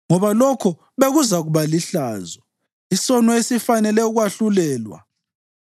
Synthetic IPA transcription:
ŋɔβalɔkʰɔ | βeɣuzaɣuβaliɬaːzɔ | isɔnɔesifanɛlɛuɣwaɬulɛːlwa̰

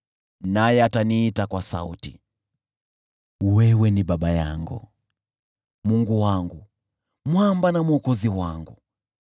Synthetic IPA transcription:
najɛataniːtakwasa̰ṵti | wɛwɛniɓaɓaja̰ŋɡṵ | muŋɡuwaŋɡu | mwambanamuɔkɔziwaŋɡu

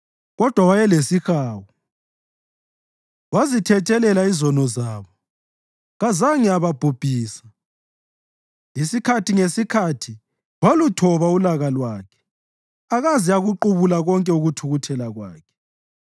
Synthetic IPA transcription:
ɣɔd̥ʱwawajɛlesixaːwɔ | wazitʰɛt͡ʃʼɛlɛlaizɔnɔzaːβɔ | ɣazaŋiaβab̥ʱub̥ʱiːsḁ | lisikʰatʰiŋesikʰatʰi | wolutʰɔβaulaɣalwaːkʰɛ̥ | aɣaziaɣuǃuβulaɣɔŋkʼɛuɣutʰuɣutʰɛlaɣwa̰ːkʰɛ̥

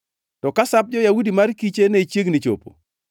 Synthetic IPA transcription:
tɔkasap̚d͡ʒɔjawudimarkit͡ʃeneit͡ʃjeɡnɪt͡ʃo̰po̰

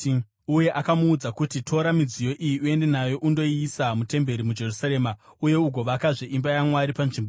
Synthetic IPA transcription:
uje̞ʔakamuːd͡zakutitʰo̞ɾamid͡zijo̞ʔijiue̞nde̞najo̞ʔundo̞iːsamute̞mbe̞ɾimud͡ʒe̞rusaɾeːmauje̞uɡʱo̞ʋakaʐeimbajamwaɾipanʐimbo

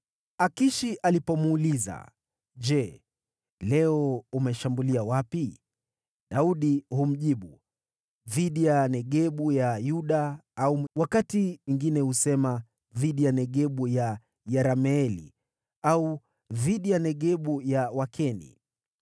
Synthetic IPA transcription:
akiʃiʔalipɔmuːliza̰ | ʄɛ | lɛɔumɛʃambuliawapi | ɗauɗihum̩ʄiɓu | ðiɗijanɛɠɛɓujajuɗaauwakatiwiŋɡinɛhusɛma | ðiɗijanɛɠɛɓuja | jɛɾamɛɛlḭ | au | ðiɗijanɛɠɛɓujawakʰɛnḭ

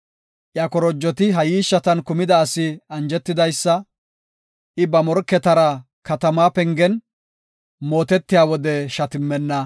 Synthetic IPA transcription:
ʔjɐkɔɾɔd͡ʒːɔt̪ɪɦɐjiːʃːɐt̪ɐnkʊmɪd̪ɐːsɪɐnd͡ʒɛt̪ːɪd̪ɐjsːɐ | ʔɪbɐmɔɾkːɛt̪ɐɾɐ | kɐt̪ɐmaːpɛŋɡɛn | mo̞ːt̪ɛt̪ːɪjaːwɔd̪ɛʃɐt̪ɪmːɛnːɐ

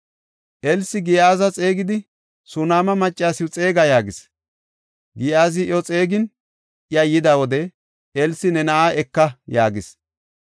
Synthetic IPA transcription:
ʔɛlsɪɡɪjaːzɐt͡sʼeːɡɪd̪ɪ | sʊnaːmɐmɐt͡ʃʼːaːsɪʊt͡sʼe̞ːɡɐjaːɡɪs | ɡɪjaːzɪɔt͡sʼeːɡɪn | ʔɪɐjːɪd̪awɔd̪ɛ | ʔɛlsɪnɛnɐʔaːʔɛkːɐjaːɡɪs

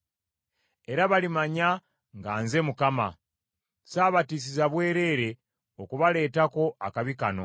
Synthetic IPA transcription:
e̞ɾaβalimaɲa | ŋɡaːnze̞mukama̰ | saːβatis̬izaβwe̞ːɾe̞ːɾe̞ | okuβale̞ːtako̞akaβikano̞̰

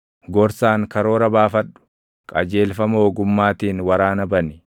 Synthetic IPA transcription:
ɡɔɾsaːŋkɐɾo̞ːɾɐbaːfɐɗʊ̥ | kʼɐd͡ʒe̞ːlfɐmoːɡʊmːaːt̪iːnwɐɾaːnɐbɐnɪ

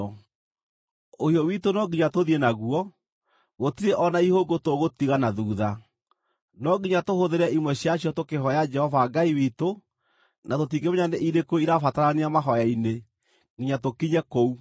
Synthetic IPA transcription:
ohijɔwitonɔɡiɲatoðienaɣuɔ | ɣotiɾeʔɔnaihoɡotoɣotiɣanaðuːða | nɔɡiɲatohoðeɾɛʔimwɛɕijaɕjɔtokeɦɔjad͡ʒɛhɔvaɡaiwiːto | natot̬iɡemeɲaneʔiɾekoiɾafataɾaneamaɦɔjaine | ɡiɲatokiɲɛkou

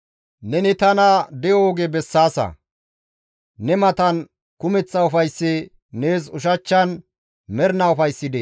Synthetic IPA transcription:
nɛnɪt̪ɐnɐd̪ɛjɔɡebɛsːaːsɐ̰ | nɛmɐt̪ɐn | kʊmɛt͡sːɐʊfɐjsːɛ | neːsʊʃ̬ɐt͡ʃːɐn | mɛɾnɐʊfɐjsːɪd̪e

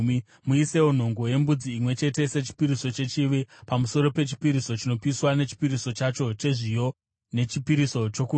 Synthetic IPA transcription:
muise̞won̤o̞ŋɡo̞je̞mbud͡ziːmwe̞t͡ʃe̞te̞se̞t͡ʃi̥piɾiso̞t͡ʃe̞t͡ʃiʋepamuso̞ɾo̞pe̞t͡ʃi̥piɾiso̞t͡ʃino̞piswane̞t͡ʃi̥piɾiso̞t͡ʃat͡ʃo̞t͡ʃe̞ʐijo̞ | ne̞t͡ʃipiɾiso̞t͡ʃo̞ku

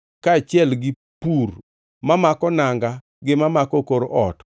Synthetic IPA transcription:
kat͡ʃɪɛlɡɪ | pur | mamakɔnaŋɡa | ɡɪmamakɔkoɾoʔɔt

